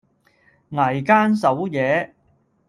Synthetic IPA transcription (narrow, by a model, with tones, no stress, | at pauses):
ŋa˨˩jkaː˥nsɐ˨˥wjɛː˨˧˥